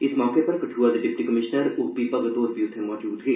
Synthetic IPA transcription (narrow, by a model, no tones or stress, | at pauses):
ɪsmɔːkepɐɾkɐʈʰuːad̪eɖɪpʈikɐmɪʃnəɾʊpipɐɡət̪oːɾbʱiʊt̪ʰẽmɔːd͡ʒuːd̪ɦiː